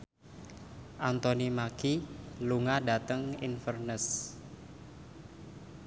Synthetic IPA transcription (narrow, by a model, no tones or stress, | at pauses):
ʔant̪onimakiluŋada̤t̪əŋinfərnəs